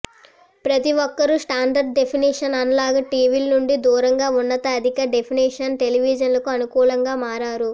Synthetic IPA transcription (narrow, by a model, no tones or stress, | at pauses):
pɾɐt̪iʋɔkːɐɾusʈaːɳɖɐɾɖ̚ɖe̞pʰiniːʂɐnɐnɐlaːɡɐʈiːʋilnuɳɖid̪uːɾɐŋɡaːunːɐt̪ɐːd̪ʱikɐɖepʰiniːʂɐnʈe̞liʋiːd͡ʒɐnlɐkuɐnukuːlɐŋɡaːmaːɾaːɾu